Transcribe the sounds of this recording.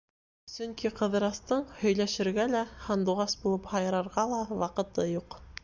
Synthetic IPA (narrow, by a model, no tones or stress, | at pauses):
sɵŋkiqɤ̆ðɤ̆ɾɑst̪ɤɴhɵ̆jlæʃɘ̆ɾɡælæhɑnd̪uʁɑsbulˠɤphɑjɤ̆ɾɑɾʁɑlˠɑwɑqɤ̆t̪ɤjuq